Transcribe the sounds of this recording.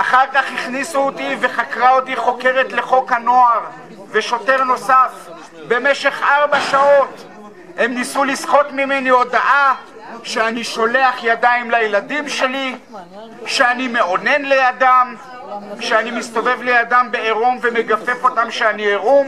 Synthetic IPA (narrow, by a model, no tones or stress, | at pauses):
ʔaχaʁkaχiχnisuotive̞χakʁaot̪iχo̞ke̞ʁe̞tle̞χo̞khano̞aʁ | ve̞ʃo̞te̞ʁno̞saf | be̞me̞ʃe̞χʔaʁbaʃao̞t | he̞mnisulisχo̞tmime̞nio̞daʔa | ʃeaniʃo̞le̞aχjadaimlajeladimʃe̞li | ʃeanime̞o̞ne̞nle̞jadam | ʃeanimist̪o̞ve̞vlejadambe̞eʁumveme̞ɡafe̞fo̞tamʃeanieʁum